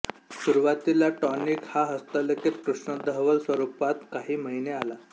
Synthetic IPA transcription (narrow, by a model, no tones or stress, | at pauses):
suɾuʋat̪ilaʈɔnikhaɦəst̪aləkit̪kɾuʂɳəd̪əɦʋəlsʋəɾupat̪kaɦiːməɦineala